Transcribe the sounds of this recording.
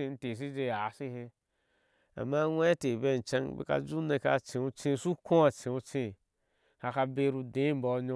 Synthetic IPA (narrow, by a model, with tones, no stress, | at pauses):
i˧n̩˦te˨s̬i˦d͡ʒe˧˨a˨˦si˦he˧ | a̰˨ma˦wʷe˦te˨be˦˨n̩˨t͡ʃa˦˧ŋ˦bḛ˦ka̰˧˦d͡ʒu˦ne˧˨ka̰˧˦t͡ʃẽ˨u˧t͡ʃĩ˦˨su˦kõ˦a˨t͡ʃẽ˨u˧t͡ʃĩ˦˨ | ha˧ka˧be˧˦ɾu˧dẽ˨˦m˦bɔ˨˦ɲo˧